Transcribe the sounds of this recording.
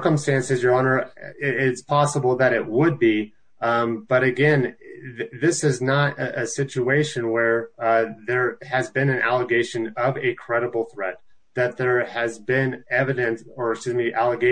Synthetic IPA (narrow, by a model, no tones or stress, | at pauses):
kə̃mstæ̃nsɨzjə˞ɑnə˞ɪtspʰɑsəbl̩ˠðɨɾɪt̚wəd̚bi | b̥ʌɾɨɡɛ̃n | ðɪsɪznəɾɨsɪt͡ʃueɪʃɨ̃nwə˞ðə˞ɨzbɨ̃nɨ̃nʔæ̰lˠəɡeɪʃɨ̃nʌvɨkʰɹ̥ɛɾəbl̩ˠθɹɛt̪̚ | ðɨt̪̚ðə˞ɨzbɪ̃nɛvɨɾɨ̃nsə˞sɨzmiʔælˠəɡeɪ